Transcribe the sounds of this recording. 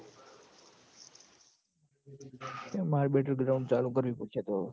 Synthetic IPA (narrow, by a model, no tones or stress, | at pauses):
t̪emaɾbeʈəɾɡɾaʊ̃ɳɖt͡ʃalukəɾʋipukʰet̪o